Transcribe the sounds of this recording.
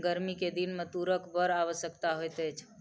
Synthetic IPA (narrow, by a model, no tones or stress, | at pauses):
ɡəɾmiked̪inmet̪uɾəkbəɾaβəsjəkt̪aɦojt̪ət͡ʃʰ